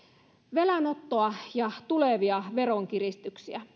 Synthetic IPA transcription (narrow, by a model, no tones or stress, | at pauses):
ʋelænot̪ːoɑjɑt̪uleʋiɑʋeɾoŋk̟irist̪yksiæ